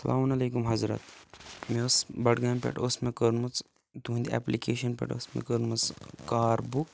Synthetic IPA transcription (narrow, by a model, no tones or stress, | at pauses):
sɐ̰lʔa̰ːmunɐleːkumɦɐzɾɐ̰t̪meosbɐʈɡaːmpʲḛʈosmẽkəɾnmɐt͡s | d̪ũːnd̪iɛ̰ːplikeːʃɐnpḛʈo̰smḛkəɾnmɐt͡skaːɾbuk